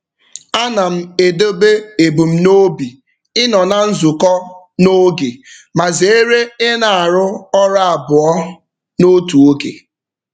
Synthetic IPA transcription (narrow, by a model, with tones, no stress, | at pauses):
a˦na˨m̩˦˨e˨do˦be˦e˨bu˨m̩˦no˦bi˨ | ɪ˦nɔ˨na˨n̩˦zu˨kɔ˦ | no˦ɡe˨ma˨ze˨e˦ɾe˦ɪ˦na˨a˨ɾʊ˦ɔ˦ɾa˦a˨bʊ˨ɔ˦ | no˦tu˨o˦ɡḛ˨